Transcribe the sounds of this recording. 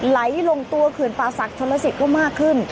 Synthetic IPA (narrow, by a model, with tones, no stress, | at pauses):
la˩˦jlo˧ŋt̪u˧ɐkʰɯ˨˩ənpaː˧sa˨˩k̚t͡ɕʰo˧˥la˧˥si˨˩t̪̚kɔː˥˩maː˥˩kʰːɯ˥˩n